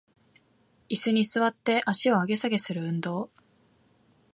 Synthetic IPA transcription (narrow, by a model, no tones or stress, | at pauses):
isɨɲ̟isɨβat̪ːe̞ʔaɕio̞aɡe̞saɡe̞sɨɾɯ̟ɯ̟̃nd̪o̞ː